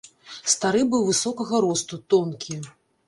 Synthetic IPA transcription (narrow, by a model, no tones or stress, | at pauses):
st̪aɾɨbɨwvɨsɔkɐɣɐɾɔst̪ut̪ɔnkʲʰi